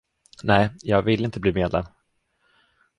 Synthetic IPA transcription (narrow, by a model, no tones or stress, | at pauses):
nɛːɪjɑːɡvɪlːəɪnt̪əbliːmeːd̪lɛ̰n